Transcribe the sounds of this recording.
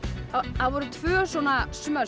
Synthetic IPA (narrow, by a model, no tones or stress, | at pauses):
aθaðvɔɾʏt̪ʰvœːsɔːnasmœ